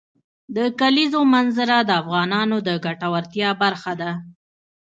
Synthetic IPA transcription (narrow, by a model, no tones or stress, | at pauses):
d̪əkalizomanzaɾad̪əafɣɑnɑnod̪əɡaʈawaɾt̪jɑbaɾxad̪a